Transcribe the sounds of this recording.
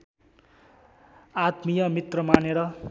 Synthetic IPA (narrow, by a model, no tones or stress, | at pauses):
at̪mijʌmit̪rʌmaneɾʌ